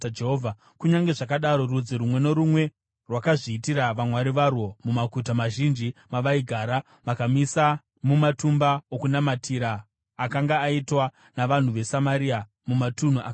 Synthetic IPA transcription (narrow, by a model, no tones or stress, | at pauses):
d͡ʒeɦoːvʱa | kuɲaŋɡe̞ʐakaɗaɾo̞rud͡ziɾumwe̞no̞ɾumwe̞ | rwakaʐiːtiɾaʋamwaɾiʋarwo̞mumakutamaʒind͡ʒimaʋaiɡʱaːɾa | makamisa | mumatumbaokunamatʰiɾaː | kaŋɡaːitwa | naʋan̤uʋe̞samaɾia | mumatun̤uʔak